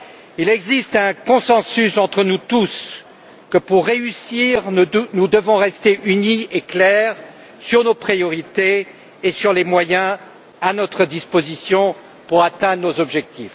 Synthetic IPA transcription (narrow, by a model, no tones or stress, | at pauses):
ilɛɡzist̪ɛ̃kɔ̃sɑ̃sysɑ̃t̪χənut̪us | kəpuʁːeysiʁnud̪əvɔ̃ʁɛst̪eʔynieklɛʁ | syʁnopχijɔʁit̪eː | syʁlemwajɛ̃ | anɔt̪χəd̪ispozisjɔ̃ | puʁat̪ɛ̃d̪ʁənozɔbʒɛk̚t̪if